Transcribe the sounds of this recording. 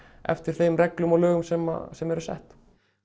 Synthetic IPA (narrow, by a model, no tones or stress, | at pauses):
ɛ̰ft̪ɪɾ̥θeːjmrɛklʏmɔlœːɣʏmsɛma̰sɛmɛɾʏsɛ̰ht̪